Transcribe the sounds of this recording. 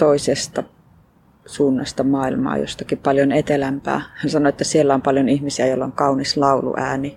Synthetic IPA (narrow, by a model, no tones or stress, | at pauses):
t̪oisest̪ɑ | suːnːɑ̰st̪ɑmɑːilmɑ̰ːjo̰st̪ɑkippɑljonet̪elæmpæ̰ːhænsɑnoet̪ːæsielːæompɑljonihmisiæjoilːɑoŋkɑunislɑulṵʔæːni